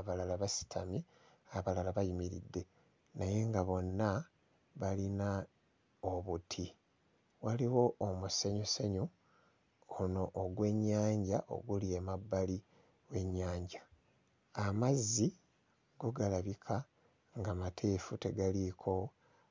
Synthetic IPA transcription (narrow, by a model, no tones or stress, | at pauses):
aβalalaβasi̥tʰa̰mi | aβalalaβajimiɾḭdːe̞ | naje̞ŋɡaβo̞nːa | βalina | oβutʰi | waliwo̞ʔomuseɲuseɲu | ono̞ʔːɡwe̞ɲːaːɲɟaʔo̞̰ɡuliemabːali | we̞ɲːaːɲɟa | amazːi | ɡ̥o̞ɡalaβikʰa | ŋɡamatʰeːfute̞ɡalikʰo̞